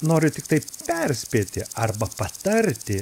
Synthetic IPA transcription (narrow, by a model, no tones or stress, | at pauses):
noːɾʲʊt̪ʲɪk̚t̪ɐɪpʲɛrʲsʲpʲeːt̪ʲɪɐrbɐpɐt̪ɐɾʲt̪ʲɪ